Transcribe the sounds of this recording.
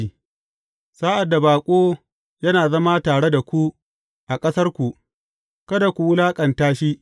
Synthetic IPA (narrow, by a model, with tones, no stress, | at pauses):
saː˦ʔa˨dːa˨baː˨kʷʼoː˦ | jɐ˦naː˨zɐ˦ma˦taː˨ɽe˦da˨kʷu˦ | ʔa˨kʼɐ˦sɐ˦rkʷu˨ʔ | kɐ˦da˨kʷu˨wʊ˦laː˦kʼɐ˨ntaː˦ʃi˦ʔ